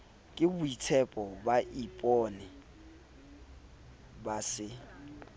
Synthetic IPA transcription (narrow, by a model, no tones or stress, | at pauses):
kʼɪbʊitʰɛpʼɔbaʔipʼɔnɛ | basɪ